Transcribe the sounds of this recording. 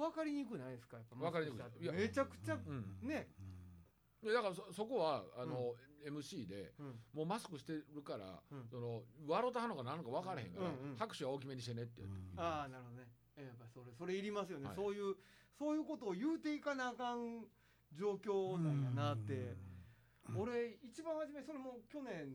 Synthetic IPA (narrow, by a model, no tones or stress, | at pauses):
βakaɾʲiɲ̟ikɯ̟naid̪esɨ̥kajapːamβakaɾiɲikɯjamet͡ɕakɯ̟̥t͡ɕaɯ̟̃ɴne̞ | jad̪akaɾasoso̞ko̞βaano̞e̞mɯ̟ɕiːd̪ẽ̞̰mo̞ːmasɨ̥kɯ̟ɕi̥t̪e̞ɾɯ̟kaɾã̰so̞no̞βaɾo̞t̪ahanoɡanãŋ̃okaβ̞akaɾehẽ̞ŋkãhakɯ̟̥ɕiβao̞k̬ʲime̞ɲiɕit̪ene̞t̪ːe̞jɯ̰t̪ːeaːnaɾɯ̟ɦod̪one | japːaɾisoɾeso̞ɾe̞iɾʲimasɨjo̞neso̞ːjɯ̟ːso̞ːjɯ̟ːko̞t̪oːjɯːt̪e̞ikanakãn | d͡ʑo̞ːkʲo̞ːnãŋkanat̪ːe̞ | o̞ɾe̞it͡ɕibãɰ̃haʑimeso̞ɾemoːkʲo̞nẽ̞ɴ